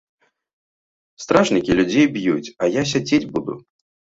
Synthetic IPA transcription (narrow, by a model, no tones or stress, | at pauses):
st̪ɾaʐnʲikʲilʲud͡zʲejbjut͡sʲɐjas̬ʲad͡zʲed͡zʲbud̪ṵ